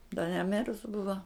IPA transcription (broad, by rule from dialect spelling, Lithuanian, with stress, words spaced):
dɐ nʲɛˈmʲɪrʊs ˈbʊʋɐ